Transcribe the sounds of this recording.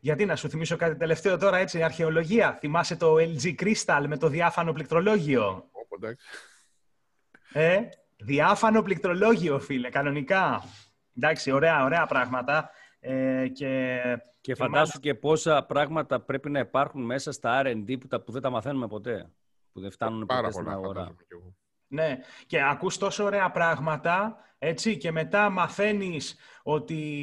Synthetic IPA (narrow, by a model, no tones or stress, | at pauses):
ʝɐt̪inɐsuθimiso̞kɐt̪it̪e̞le̞ft̪e̞ot̪o̞ɾɐe̞t͡siɐɾçe̞o̞lo̞ʝiɐθimɐset̪o̞eld͡zikɾist̪ɐlme̞t̪o̞ðiɐfɐnoplik̚t̪ɾo̞lo̞ʝio̞d̪ɐk | e | ðiɐfɐno̞plik̚t̪ɾo̞lo̞ʝio̞filekɐno̞nikɐ | nd̪ɐksio̞ɾe̞ɐo̞ɾe̞ɐpɾɐɣmɐt̪ɐ | ece̞ | ceffɐnd̪ɐst̪uce̞po̞sɐpɾɐɣmɐt̪ɐpɾe̞pinɐipɐɾxunme̞sɐst̪ɐɐɾɐend̪iput̪ɐpuðe̞nd̪ɐmɐθe̞numepo̞t̪e̞ | puðeft̪ɐnunepɾsiinɐɣoɾɐ̰o | ne̞ce̞ɐkust̪o̞so̞ːɾe̞ɐpɾɐɣmɐt̪ɐ | e̞t͡sice̞me̞t̪ɐmɐθe̞niso̞t̪i